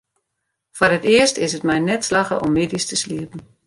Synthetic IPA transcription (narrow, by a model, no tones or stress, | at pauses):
fɔrɦətɪəstɪsətmɛjnɛtslɑχə̰ʔɔmːɪdistəsliəpn̩